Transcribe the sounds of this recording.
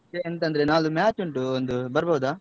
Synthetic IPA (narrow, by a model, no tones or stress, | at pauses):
eent̪ɐnd̪ɐɾe̞naːlumaːt͡ʃuɳʈuond̪ubɐɾbɐːd̪aː